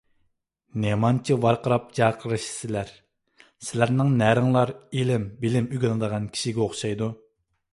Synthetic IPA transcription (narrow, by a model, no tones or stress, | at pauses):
nemɑnt͡ʃʰiwɑɾqʰəɾɑp̚d͡ʒɑːqʰəɾɨʃsɪlæɾ | sɪlæɾnɪŋnæɾɪŋlˠɑɾelɪmbɪlɪmyɡʲɛnɨd̪əʁɑnkʲʰi̥ʃiɡʲɛoχʃɑjd̪u